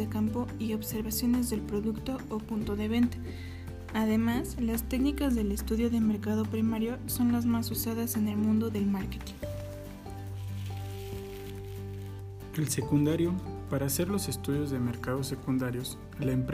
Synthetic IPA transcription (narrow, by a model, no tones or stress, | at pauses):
ekampo̞io̞βse̞ɾβasjo̞ne̞zðe̞lpɾo̞ðukt̪o̞ːpunt̪o̞ðe̞β̞e̞nt̪ḁ | aðe̞maslast̪e̞knikazðe̞le̞st̪uðjo̞ðeme̞ɾkað̞o̞pɾimaɾjo̞so̞nlazmasusaðase̞ne̞lmũnd̪o̞ðe̞lmaɾket̪i̥ŋ | else̞kund̪aɾjo̞paɾaːse̞ɾlo̞se̞st̪uðjo̞zðe̞me̞ɾkaðo̞se̞kund̪aɾjo̞s | laempɾ